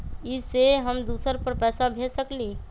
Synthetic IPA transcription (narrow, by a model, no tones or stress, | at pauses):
iseɦəmd̪usəɾpəɾpɛsabʱesəkli